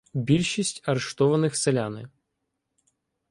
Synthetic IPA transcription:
bʲilʲʃisʲtʲɐɾeʃt̪ɔʋɐnɪxselʲanɪ̰

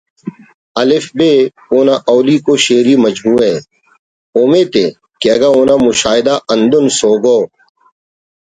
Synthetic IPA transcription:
ɐlɪfbeː | oːnaʔɔːliːkoːʃeːɾiːmɐd͡ʒbuːẽː | oːmeːt̪ḛ | keɐɡaoːnaːmʊʃaːɪd̪aːʔɐ̃nd̪ʊnsoːɡoː

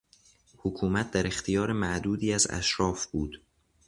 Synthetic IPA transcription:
hokʰuːmæt̪̚ʰd̪æɾe̞xt̪ʰijɒːɾemæʔd̪uːd̪iːæzæ̰ʃɾɒːfb̥uːd̪̥

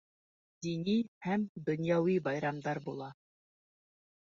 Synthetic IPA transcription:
d̪inihæmd̪ŏnjɑwibɑjɾɑmd̪ɑɾbulˠɑ

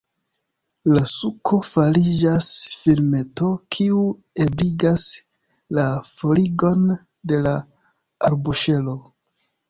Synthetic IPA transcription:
lasukʰo̞falid͡ʒasfilme̞to̞kʰiu | e̞bliɡas | lafo̞liɡo̞n | de̞la | aɾbuʃe̞lo̞

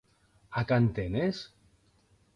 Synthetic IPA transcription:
akant̪enes

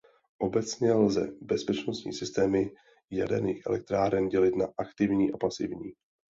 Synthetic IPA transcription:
ʔo̞bɛt͡sɲɛlzɛ̰bɛspɛt͡ʃnost̪ɲḭːsɪst̪ɛːmɪ | ja̰dɛniːxʔɛ̰lɛk̚t̪ɾaːɾɛnɟɛlɪt̪naʔakt̪ɪvɲiːʔapasɪvɲiː

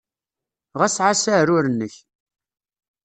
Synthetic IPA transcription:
ʁæsʕasaɾʊɾənːəç

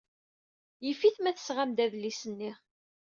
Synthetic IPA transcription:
jəfiθmæθəsʁamd̪æðlisənːiʁ

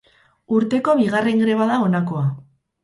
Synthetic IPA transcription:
uɾt̪e̞ko̞βiɣare̞ŋɡɾe̞βaðao̞nako̞a

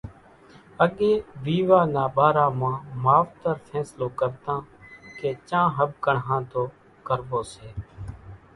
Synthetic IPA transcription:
əɠẽːʋiːʋaːnaːbaːɾãːmãːmaːʋt̪əɾfʰɛːsloːkəɾt̪ãːkeːt͡ʃãːɦəbkəɳɦãːt̪oː | kəɾboːseː

